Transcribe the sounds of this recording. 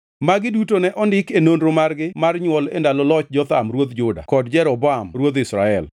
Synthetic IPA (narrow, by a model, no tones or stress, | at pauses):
maɡɪdutonɛʔɔndɪkenonɾomarɡɪmarɲwɔlḛndalɔlɔt͡ʃd͡ʒɔt̪amɾwod̪d͡ʒʊda̰kɔdd͡ʒɛɾɔbɔamɾwod̪ɪsɾa̰ɛl